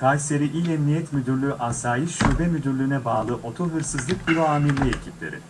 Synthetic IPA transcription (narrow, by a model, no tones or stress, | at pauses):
kʰalʲse̞ɾiʔilɛmnijɛt̪myd̪yɾlʲyyʔasaːjɯʃʃyɾbɛmyd̪yɾlʲyːnɛbaːlˠɯʔo̞t̪ʰuɦɯɾsɯzlˠɯk̚biɾoaːmilʲːiecʰiplʲe̞̰ɾḭ